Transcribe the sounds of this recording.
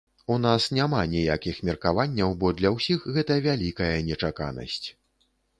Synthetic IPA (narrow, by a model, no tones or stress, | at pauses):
unasnʲamanʲijakʲixmʲɛrkavanʲːɐwbɔd̪lʲɐwsʲixɣɛt̪ɐvʲalʲikɐjɐnʲɛt͡ʂaka̰nɐ̰sʲt͡sʲ